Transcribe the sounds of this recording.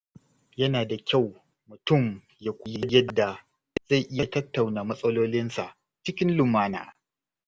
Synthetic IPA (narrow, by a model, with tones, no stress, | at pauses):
jɐ˦naː˨da˨kʲa˦˨w | mʊ˨tʊ˦˨m | ja˨kʷʊ˨ji˦jɐ˦˨dːa˨ | za˦˨jʔɪ˦jɐa˨tɐ˦tːa˨wnaː˨mɐ˦sʼɐ˦loː˦lɪ˦nsa˨ʔ | t͡ʃɪ˦kʲɪ˦nlʊ˨maː˦na̰ː˨